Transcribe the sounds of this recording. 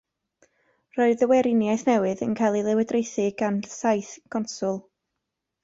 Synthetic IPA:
rɔɨðəwɛɾɪnjajθnɛwɨðə̰nkʰajlˠilˠɪwɛdrejθɪɡ̥ansajθɡ̥ɔnsʊlˠ

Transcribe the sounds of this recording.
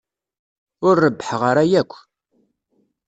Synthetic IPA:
ʊɾːəbːəħʁəɾæjækʷː

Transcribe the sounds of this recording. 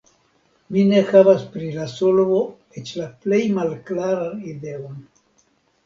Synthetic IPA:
mine̞xavaspɾilasolvo̞ | et͡ʃlaple̞jmalklaɾanide̞on

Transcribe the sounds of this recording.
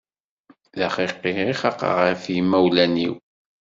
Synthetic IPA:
ðæχiqːiiχɑqə̰ʁəɾfjimæwlænḭw

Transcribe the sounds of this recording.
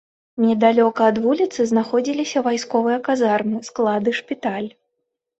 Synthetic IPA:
nʲɛd̪alʲɔkɐːd̪vulʲit̪sɨznaxɔd͡zʲilʲisʲɐvajskɔvɨjɐkazarmɨsklˠad̪ɨʂpʲit̪alʲ

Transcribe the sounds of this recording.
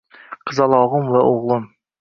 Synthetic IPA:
qʰəzɑlˠɑʁəmvɛʔoʁlˠɨm

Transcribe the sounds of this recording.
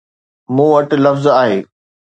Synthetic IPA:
mũːʋɐʈ̆lɐfzaːɦeː

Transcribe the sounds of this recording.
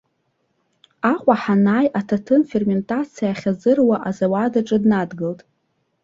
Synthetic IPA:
aqʷʼaħanaːjʔatʰatʰɨnfe̞rmʲe̞ntʼat͡sʰijaχʲazɨrwaʔazawadaʈ͡ʂʼɨdnadɡɨltʼ

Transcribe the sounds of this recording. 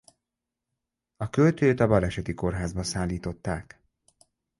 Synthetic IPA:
ɒkølt̪øːt̪ɒbɒlɛʃɛt̪iko̞rɦaːzbɒsaːlːiːt̪o̞t̪ːaːk

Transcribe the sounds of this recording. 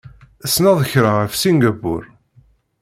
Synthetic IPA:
əsnɑðˤəçɾaʁəfsinɡæbːʊ̰ɾ

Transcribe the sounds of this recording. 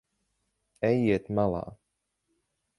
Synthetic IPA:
ɛjiɛt̪malˠɑ̰ː

